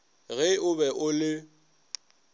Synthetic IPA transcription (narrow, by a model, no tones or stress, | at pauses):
ɣɛʊbɛʔʊlɪ